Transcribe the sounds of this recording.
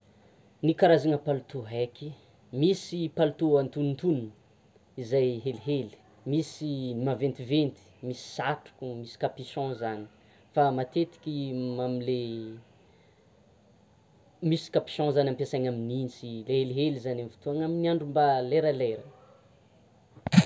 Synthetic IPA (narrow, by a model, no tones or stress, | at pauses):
nikaɾazaŋəpalut̪uɦakʲi | misipalut̪uant̪unint̪unn | izajɦeliɦeli̥ | misinimavent̪ivent̪i̥misi̥saʈ͡ʂu̥kʲumisi̥kapiʃɔ̃zani̥ | famat̪et̪i̥kʲimamile | misi̥kapi̥ʃɔ̃zanʲampasaɲamininsileɦeliɦelizanamfi̥t̪uaŋaminiaɳɖ͡ʐumbaleɾəleɾə